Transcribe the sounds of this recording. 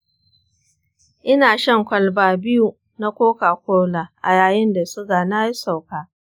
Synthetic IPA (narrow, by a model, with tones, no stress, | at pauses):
ʔɪ˦naː˨ʃɐ˦ŋkʷɐ˨lbaː˨bɪ˦ju˨ | na˦kʷoː˦kaː˨kʷoː˦laː˨ʔa̰˨jaː˨jɪ˦nda˨sʊ˦ɡaː˨na˦ji˦sa˨wkaː˦